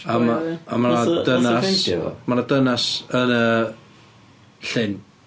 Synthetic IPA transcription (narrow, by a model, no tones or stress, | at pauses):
amaamaadənasmanadənasənə | ɬɪn